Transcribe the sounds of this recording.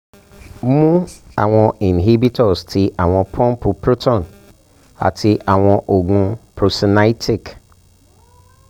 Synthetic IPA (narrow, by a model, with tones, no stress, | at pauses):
mũ˦a̰˨wɔ̃˨ĩ˨nɦi˦bi˦tʰɔ˨stʰɪ˨ʔa˨w̃ɔ̃˨pʰɔ̃˦mpʰʊ˨pɾu˦tɔ̃˨n | a̰˨tʰɪ˨ʔa˨w̃ɔ̃˨ʔo˨ɡũ˨pɾo˨si˨na˦jtʰi˨k